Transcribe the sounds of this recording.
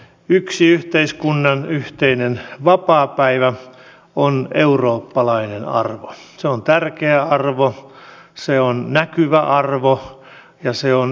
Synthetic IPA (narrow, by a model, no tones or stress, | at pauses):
yksiyht̪eiskunːɑnyht̪einenʋɑpɑːpæiʋæ | oneuroːpːɑlɑinenɑ̰rʋo | seont̪ærkeæɑrʋo | seonnækyʋæʔɑrʋo | jɑseon